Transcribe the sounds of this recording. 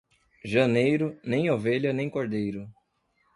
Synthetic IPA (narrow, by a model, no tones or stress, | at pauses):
ʒɐnejɾʊnẽj̃oveʎɐnẽj̃koɾd̪ejɾʊ